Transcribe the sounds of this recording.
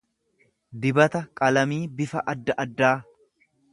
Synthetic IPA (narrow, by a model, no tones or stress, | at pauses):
d̪ɪbɐt̪ɐkʼɐlɐmiːbɪfɐʔɐd̪ːɐʔɐd̪ːaː